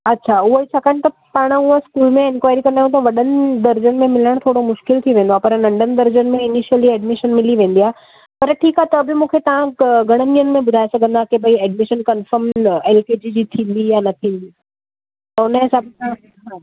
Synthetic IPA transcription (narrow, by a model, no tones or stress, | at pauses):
ɐtːɕʰaʊɦoisʰɐkəñɪ̆t̪ɐpaːɽ̃ʊɦoskuːlmẽɪnkwaːɪɾikɐɾnd̪aɦjũt̪ɐʋɐɗənɪd̪ɐɾd͡ʑənmẽmɪləɽ̃t̪ʰoːɽomʊʃkɪlt̪ʰiʋẽːnd̪oapɐɾnɐ̃ɳɖənɪ̆d̪ɐɾd͡ʑənɪ̆mẽɪniʃijəliɛːɖmɪʃənmɪliʋẽːn̆d̪iaːɦe | pɐɾʈʰiːkaːɦet̪ɐːbɪmũːkʰet̪ɐʋ̤ãɡʱɐɽ̃ənijənɪ̆mẽbʊd̪ʱaːesɐɡʱə̃n̆d̪akebɐiɛːɖmɪʃənkɐnfəɾmɛːlkeːd͡ʑid͡ʑiːt̪ʰĩːn̆d̪ijanɐt̪ʰĩːn̆d̪iː | t̪ɐʊnəɦɪsaːbt̪ʰã | ã